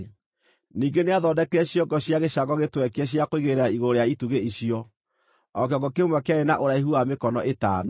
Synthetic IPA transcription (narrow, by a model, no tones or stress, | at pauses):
niːŋɡeneaðɔdɛkɛɕjɔɡɔɕjaɣeʃaɡɔɣetwɛkɛɕ̬jakoiɣeɾeɾaiɣoɾejaituɣeiɕiɔ | ɔk̬eɔɡɔkeomwɛkeaenaʔoɾaeɦuamekɔnɔʔeta̰ːn